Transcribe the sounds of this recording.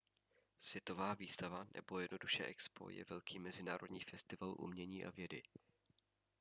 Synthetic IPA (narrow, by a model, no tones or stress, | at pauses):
svjɛt̪o̞vaːviːst̪avanʔɛ̰bo̞jɛdno̞duʃɛ̰ːʔɛkspo̞̰jɛ̰vɛlkʰiːmɛzɪnaːɾo̞dɲiːfɛst̪ɪvalʔṵmɲɛɲiːʔa̰vjɛdɪ̰